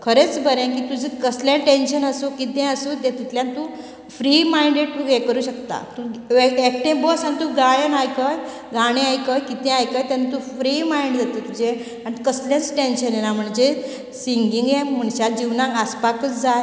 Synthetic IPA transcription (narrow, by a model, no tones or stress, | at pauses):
kʰəɾet͡sbəɾẽkiːt̪ud͡ʑikəsljãʈenɕənəsukit̪ɛ̃əsut̪et̪it̪ljãnt̪uː | fɾimaiɳɖeʈekəɾuːɕəkt̪a̰t̪uʋeek̚ʈẽbəsanit̪uɡajənajkəj | ɡaɽ̃ẽajkəjkit̪ɛ̃ajkəjt̪janat̪ufɾiːmaiɳɖd͡zat̪ət̪ud͡ʑe | aɽ̃ikəsljãt͡sʈenɕənenam̤əɳd͡ʑe | siŋɡiŋɡem̤əɳɕad͡ʑiʋnãŋkaspakət͡sd͡zaj